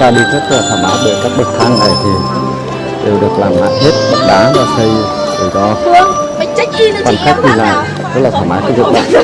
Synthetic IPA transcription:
aː˧ɗi˧t̪ʰe˦˥t̚laː˨˩t̪ʰwaː˧˩maː˨˦ɓḛ˧˩kaː˦˥k̚ɓɨ˨˩k̚t̪ʰa˧ŋve˨˩t̪ʰi˨˩w | ɗe˨˩wɗɨ˨˩ək̚laː˨˩mla̰ː˧˨jɦe˦˥t̚ɓə˨˧˩t̚ɗaː˨˦zaː˧si˧j | zə˨˩zɔ˨˦˧ | kwaː˧nxa˦˥k̚ɲɨ˧laː˨˩j | zə˨˦laː˨˩aː˧˩maː˨˦˥ka˨˧˦zɨ̰˧˨ŋ͡mɗa̰˧˨˦

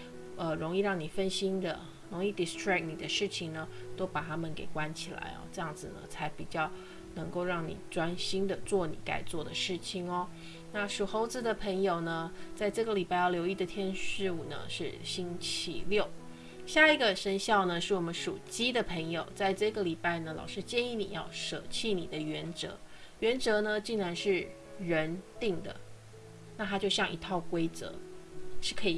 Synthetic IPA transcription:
ə˧˩ɻo˧˥ŋi˥˧ɻɑ˥˩ŋni˨˩fə˥nɕi˥nd̪ə̰˨ | ɻo˧˥ŋi˥˩d̪i˨˩st̪ʰɹa˥˩k̚ni˨˩d̪ə˦ʂɻ̩˥˩t͡ɕʰi˨˩ŋnə˩t̪o˥ʊpa˨˩t̪ʰa˥mə˨nke˨˩ɪkwa˥˦nt͡ɕʰi˨˩la̰˧˥ɪɐ̰˧˩ʈ͡ʂɤ˥˧jɑ˥˩ŋd͡zɹ̩˨˩nə̰˩t͡sʰa˧˥ɪpi˨˩t͡ɕjɑ˥˩ʊ | nɤ˧˥ŋko˥˧ʊɻɑ˥˩ŋnḭ˨˩ʈ͡ʂwa˥nɕi˥nd̪ə˨t͡swɔ˥˩nḭ˨˩˦ka̰˥˩ɪt͡swɔ˥˩d̪ə˩ʂɻ̩˥˩t͡ɕʰi˨˩ŋɐ˧˦ | na˥˧ʂu˨˩xo˧˥ʊd͡zɹ̩˧˩d̪ə˩pʰə˧˥ŋjo˨˩ʊnə˩t͡sa˥˧ɪʈ͡ʂɤ˥˩ɡə˩li˨˩pa˥ɪjɑ˥˩ʊljo˧˥ʊi˥˩d̪ə˩t̪ʰjɛ˥nʂɻ̩˥˧u˨˩nə̰˦ʂɻ̩˥˩ɕi˥ŋt͡ɕʰḭ˧˥ljo˥˩ʊ | ɕja˥˩i˧˥ɡə˨ʂə˥nɕjɑ˥˩ʊnə˩ʂɻ̩˥˩wɔ˨˩mə˦nʂu˨˩t͡ɕi˥d̪ə˨pʰə˧˥ŋjo˨˩ʊt͡sa˥˧ɪʈ͡ʂɤ˥˩ɡə˩li˨˩pa˥˩ɪnə˩lɑ̰˨˩ʊʂɻ̩˥t͡ɕjɛ˥˧ni˥˩nḭ˨˩jɑ˥˩ʊʂɤ˨˩t͡ɕʰi˥˩nḭ˨˩d̪ə˦ɥɛ˧˥nt͡sɤ̰˧˥ | ɥɛ˧˥nt͡sɤ˧˥nə˧t͡ɕi˥˩ŋɻa˧˥nʂɻ̩˥˩ | ɻə˧˥nt̪i˥˩ŋd̪ə̰˩ | na˥˩a˥t͡ɕjo˥˧ʊɕjɑ˥˩ŋʔi˧˥t̪ʰɑ˥˩ʊkwe˥ɪt͡sɤ̰˧˦ʂɻ̩˥˩kʰɤ˧˥i˨˩

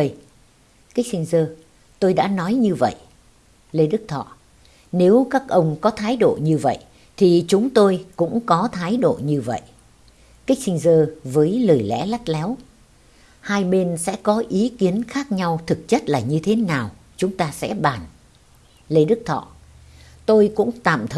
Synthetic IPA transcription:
ə˧ | ki˦˥k̚sï˧ŋ̟zəː˧ | t̪o˧jɗa̰ː˧˥nɔ˨˦jɲɨ˧və̰˧˨jʔ | le˧ɗɨ˦˥k̚t̪ʰɔ̰˧˨ | ne˨˦wkaː˦˥k̚ʔə˧wŋ͡mkɔ˨˦t̪ʰaː˨˦jɗo̰˧˨ɲɨ˧və̰˧˨j | t̪ʰi˨˩t͡ɕʊ˨˦ŋ͡mt̪o˧jkʊ̰˧˥ŋ͡mkɔ˨˦t̪ʰaː˨˦jɗo̰˧˨ɲɨ˧və̰˧˨j | ka˦˥k̟̚sï˧ŋ̟zəː˧vəː˨˦jləː˨˩jlɛ̰˧˥la˦˥t̚lɛ˨˦w | haː˧jɓe˧nsɛ̰˧˥kɔ˨˦ʔi˨˦ki˨˦ənxaː˦˥k̚ɲa˧wt̪ʰɨ˨˩k̚t͡ɕə˦˥t̚laː˨˩ɲɨ˧t̪ʰe˨˦naː˨˩w | t͡ɕʊ˨˦ŋ͡mt̪aː˧sɛ̰˧˥ɓaː˨˩n | le˧ɗɨ˦˥k̚t̪ʰɔ̰˧˨ | t̪o˧jkʊ̰˧˥ŋ͡mt̪a̰ː˧˨mt̪ʰ

